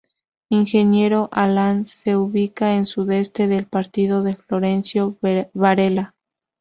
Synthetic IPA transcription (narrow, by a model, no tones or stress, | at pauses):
iŋxe̞nje̞ɾo̞ʔalanse̞uβikaensuðe̞st̪e̞ðe̞lpaɾt̪iðo̞ðeflo̞ɾe̞nsjo̞βaɾela